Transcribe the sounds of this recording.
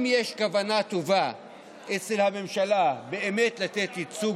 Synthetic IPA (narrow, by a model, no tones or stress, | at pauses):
mjeʃkavanat̪o̞va | ʔet͡selhame̞mʃalabe̞eme̞tlat̪et̪it͡su